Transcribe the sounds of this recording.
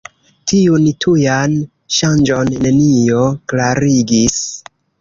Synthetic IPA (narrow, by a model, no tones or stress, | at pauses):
tiuntʰujan | ʃand͡ʒo̞nːe̞nijo̞klaɾiɡis